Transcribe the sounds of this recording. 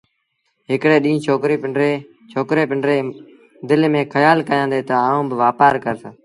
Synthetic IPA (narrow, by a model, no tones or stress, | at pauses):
ɦɪkɽeːɗĩːt͡ʃʰoːkɾiːpɾeː | t͡ʃʰoːkɾeːpɪɳɖɾeː | d̪ɪlmẽːkʰəjaːlkəjãːnd̪eːt̪əaːũːbɪʋaːpaːɾkəɾsaː